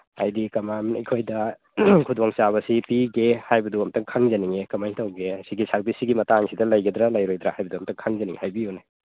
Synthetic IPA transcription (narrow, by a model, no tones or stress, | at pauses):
ajdikɐmamikʰojdɐ | kʰudwaŋsaβɐsipiɡehajbɐduɐmtɐŋkʰaŋzɐniŋekɐmajŋtʰawɡesiɡisalpisiɡimɐtaŋsidɐlɐjɡid̪ɾalɐjɾojdɾahajbɐduɐmtʰɐŋkʰaŋzɐnḭŋhajbijuna